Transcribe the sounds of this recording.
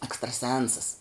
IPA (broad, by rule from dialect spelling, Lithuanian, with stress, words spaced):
ɛkstrɐˈsʲɛnsɐs